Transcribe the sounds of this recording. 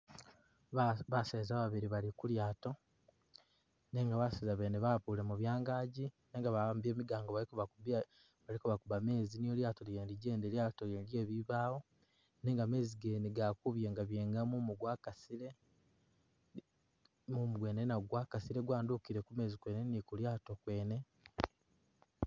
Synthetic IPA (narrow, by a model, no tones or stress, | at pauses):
βaseːzaːβaβiɾiβalikuljaːto̞ | neŋɡaβasizaβe̞ːneβapuːle̞muβjaːŋɡaːɟi | ne̞ːŋɡaβaːmbie̞ːmiɡaːŋɡoβakuβau | βalikuβakuβame̞ːzinijoljaːtolieːndiɟeːndeljaːtoenlje̞ːβiβaːwo̞ | ne̞ːŋɡame̞ːziɡe̞ːneɡakuβjeːŋɡaβje̞ːŋɡamumuɡwakasiɾe | mumuɡwe̞ːnenaɡwakasiɾe̞ɡwaːndukiɾekume̞ːzikwe̞ːne̞nikuljaːto̞kwe̞ːne̞